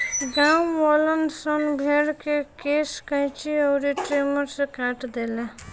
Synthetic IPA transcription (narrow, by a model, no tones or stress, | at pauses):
ɡawwɔlənsʌnbʱeɽkekeskʌ̃j̃t͡ʃʰiʌwɾiʈɾemʌɾsʌ̃kaʈd̪ele